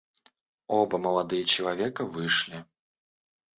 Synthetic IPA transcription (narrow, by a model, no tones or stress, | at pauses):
ɔbɐmɐlˠad̪ɨjɐt͡ɕɪlˠavʲɛkɐvɨʂlʲi